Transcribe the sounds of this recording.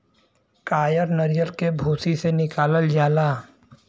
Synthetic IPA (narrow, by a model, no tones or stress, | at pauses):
kaːjəɾnɐɾjəɾkebʱoːsisenɪkaːləld͡ʒaːlaː